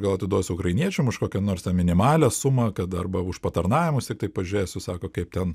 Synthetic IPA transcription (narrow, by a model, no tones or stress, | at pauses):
ɡɐlˠɐt̪ʲɪd̪uɔsʲʊkɾɐɪnʲiɛt͡ʃʲɛmʊʃkoːkʲɛnoːrst̪ʲɛmʲɪnʲɪmɑːlʲɛsʊmɐkɐt̪ɐrbɐʊʃpɐt̪ɐrnɑːʋʲɪmʊst̪ʲɪk̚t̪ɐɪpɐʒʲʊɾʲeːsʲʊsɑːkoːkɐɪp̚t̪ʲɛn